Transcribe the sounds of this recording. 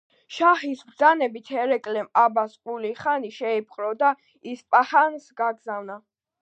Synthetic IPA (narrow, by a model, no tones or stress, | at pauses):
ʃahisbd̪zanɛbit̪ʰɛɾɛkʼlɛmabaskʼuliχaniʃɛipʰχʼɾɔd̪a | ispʼahansɡaɡzavna